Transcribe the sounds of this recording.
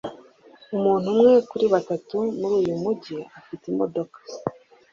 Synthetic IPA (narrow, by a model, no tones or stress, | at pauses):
umuːn̥umŋe̞kuɾiβatatumuɾuːjumuɟiafitimo̞do̞kḁ